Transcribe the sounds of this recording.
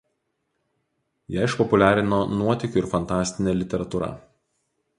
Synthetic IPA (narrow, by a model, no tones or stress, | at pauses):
jɛɪɪʃpɔpʊlʲæːɾʲɪnoːnuɔt̪ʲɪkʲʊɪɾfɐnt̪ɑːsʲt̪ʲɪnʲɛlʲɪt̪ʲɛɾɐt̪ʊɾɐ̰